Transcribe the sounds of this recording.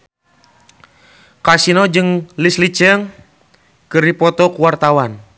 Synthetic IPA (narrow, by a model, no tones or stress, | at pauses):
kasinɔd͡ʒɨŋlislit͡ʃəŋ | kɨripɔt̪ɔkuwart̪awan